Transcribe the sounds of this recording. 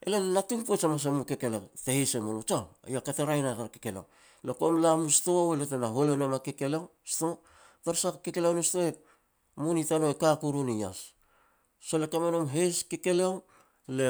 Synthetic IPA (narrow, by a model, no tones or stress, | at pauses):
ḛlenatuŋpuet͡ʃamas̬amukekeletehesemonut͡ʃaw̰jakateɾajnatakekelḛw | lokomlamustowelotanaɦolenomakekelew | sto | taɾsakkekelewnustoe | munitanoekakuɾunija̰s | solekamenomɦeskekelew | le